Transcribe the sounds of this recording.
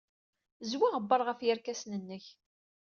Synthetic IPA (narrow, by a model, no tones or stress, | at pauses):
zwiʁəbːəɾˤʁəfjəɾkæsnənːəç